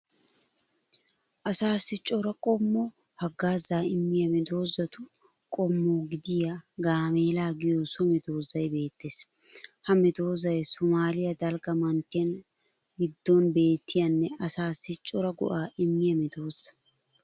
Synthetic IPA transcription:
ʔɐsaːsːɪt͡ʃʼːɔɾɐkʼɔmːɔ | hɐɡaːzaːɪmːɪjɐmɛd̪o̞ːzːɐt̪ʊ | kʼɔmːoːɡɪd̪ɪjaɡaːmeːlaːɡɪjoːsɔmɛd̪o̞ːzɐjbe̞ːt̪ːes | hɐmɛd̪o̞ːzɐjsʊmaːlɪjɐd̪ɐlɡɐmɐnt̪ːɪɐn | ɡɪd̪ːɔnbe̞ːt̪ːɪjɐnːɛɐsaːsːɪt͡ʃʼːɔɾɐɡɔ̰ʔaːʔɪmːɪjɐmɛd̪o̞ːzɐ̥

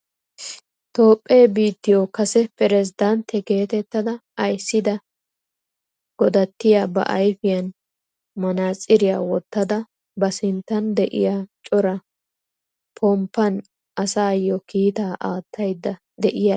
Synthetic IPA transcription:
t̪o̞ːpʼːeːbiːt̪ːɪjɔkɐsɛpɛɾɛzɪd̪ɐnt̪ːɛke̞ːt̪ɛt̪ːɐd̪ɐɐjsːɪd̪ɐ | ɡ̥ɔd̪ɐt̪ːɪjabɐ̰ʔɐjfɪjɐn | mɐnaːsʼɪɾɪjaːwɔt̪ːɐd̪ɐ | bɐsɪnt̪ːɐnd̪ɛʔɪ̰jat͡ʃʼɔɾɐ | pʰɔmpːɐn | ʔɐsaːjɔkiːt̪aːʔaːt̪ʰːɐjd̪ːɐ | d̪ɛʔɪjɐ

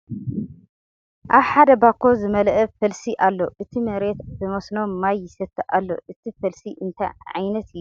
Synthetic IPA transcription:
ʔaβħad̪ɐbakʰːo̞zɨmɐlʔɐfɐlsiʔalːo̞ʔɨt̪ʰimɐɾe̞t̪bɨmɐsno̞mːajːɪsɐt̪ʰːɨʔa̰lːo̞̰ʔɨt̪ʰifɐlsiʔɨnt̪ʰɐ̰jʕa̰jnɐt̪ɪjːu

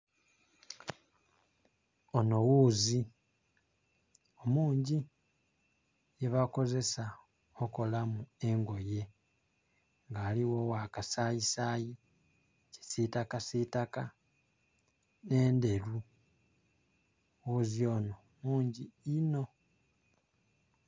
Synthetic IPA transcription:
ono̞wuːzi | omuːɲɟi | jeβako̞ze̞sa | oko̞lamue̞ŋɡo̞je̞ | ŋɡaːliwo̞wakasajisaːji | ce̥sitakasitaka | ne̞ːnde̞lu | wuzio̞no̞ | muːɲɟiino̞

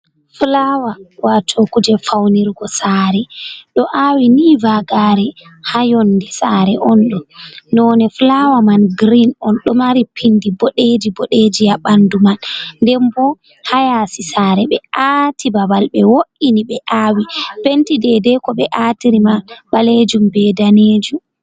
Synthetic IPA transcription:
flawawatʰokud͡ʒɛfawniɾɡɔsaːɾɛɗɔʔawinivaɡaːɾɛhajɔndɛsaːɾɛʔɔnɗɔnɔnɛflawamanɡɾinɔnɗɔmaɾipʰindibɔɗed͡ʒibɔɗed͡ʒijaɓandumanndɛmbɔ | hajasisaːɾɛɓɛatʰibabalɓɛwoʔiniɓɛʔawipentidɛdɛkɔɓɛʔatiɾimanbaled͡ʒumbɛːdaned͡ʒum

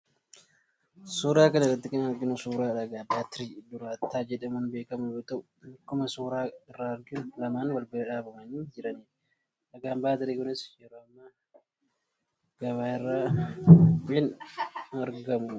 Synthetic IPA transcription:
suːɾaːkɐnɐrːɐt̪ːɪkɪnɐɾɡɪnʊsuːɾaːᶑɐɡaːbaːt̪ɪɾiːd̪ʊɾaːt̪ːaːd͡ʒɛᶑɐmʊnbe̞ːkɐmʊjoːt̪ɐʔʊkʊmɐsuːɾaːɪrːaːɐɾɡɪnʊlɐmaːnwɐlbɪɾɐᶑaːbʊmɐniːd͡ʒɪɾɐniː | ᶑɐɡaːmbaːt̪ɪɾiːkʊnɪsjɛɾoːɐmːɐ | ɡ̥ɐbaːɪrːaː | ɪn | ɐɾɡɐmʊ

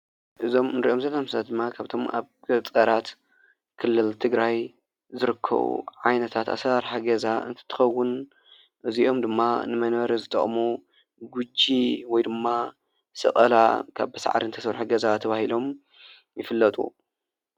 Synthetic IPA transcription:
ʔɨzo̞mɨnɾiʔo̞mzɐlːamssat̪̚d̪ɨmːakʰaβt̪ʰo̞ma̰βɡ̥ɐt͡sʼɐɾat̪ | kʰɨlːɨlt̪ʰɨɡɾaj | zɨɾɨkʰːɐ̰βṵʕajnɐt̪ʰat̪a̰sɐɾħaɡɐzaɨ̰nt̪ʰɐ̥t̪ʰːɨ̥xɐwːʊn | ʔɨziʔo̞md̪ɨmːanɨmɐnβɐɾizɨt̪ʼɐχʼmu | ɡud͡ʒiwɔjd̪ɨmːa | sɨ̰χʼɐla̰kʰa̰βbɐsa̰ʕɾint̪ʰɐsɐβɾħuɡɐzat̪ʰɐβahilo̞m | jɪfɨlːɐt̪ʼṵ

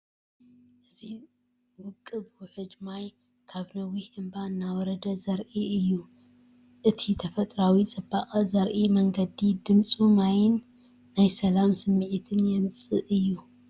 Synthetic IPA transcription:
ʔɨzi | wɨkʼːɨbʊħɨd͡ʒmaj | kʰaβnɐwiʔɨmbanːawɔɾɐd̪ɐzɐɾʔiʔɨjːu | ʔɨt̪ʰit̪ʰɐfɐt̪ʼɾawit͡sʼɨbaχʼɐzɐɾʔimɐŋɡɐd̪id̪ɨmt͡sʼumajɪnː | ajsɐlamsɨmːiʕit̪ʰɨnjɛmɨt͡sʼɨʔɨjːu

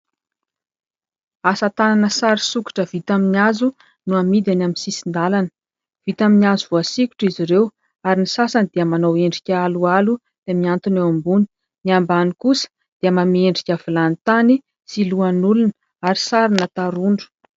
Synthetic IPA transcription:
asət̪ananəsaɾisuki̥ʈ͡ʂəvit̪aminiazu | nuamid̪anaminsisind̪alanə̥ | v̥it̪aminiazuvoasikʲu̥ʈ͡ʂiziɾew | aɾinisasanid̪̥eəmanoweɳɖ͡ʐikʲaalualu | d̪̥emiant̪unewambuni̥ | niambanikusə̥ | d̪̥eəmameɳɖ͡ʐikʲavilant̪ani | siluanulun | aɾisaɾinat̪aɾuɳɖ͡ʐu̥

